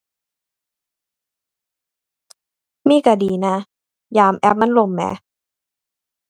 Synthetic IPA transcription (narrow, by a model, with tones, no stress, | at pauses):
miː˧˩˨ka˧˩diː˧na˧˥ | jaː˧mʔɛ˦˥p̚ma˧˥˨nlo˧˩˨mːɛ̰ː˨˧˦